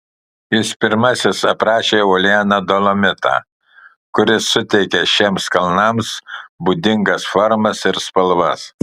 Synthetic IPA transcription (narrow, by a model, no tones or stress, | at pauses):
jɪspʲɪɾmɐsʲɪsɐpɾɑːʃʲeːɔːlʲɪæːnɐd̪oːlˠomʲɪt̪ɑ̰ː | kʊɾʲɪsːʊt̪ʲɛɪkʲɛʃʲeːmskɐlˠnɐmsbuːd̪ʲɪŋɡɐsfɔɾmɐsɪɾspɐlˠʋɐs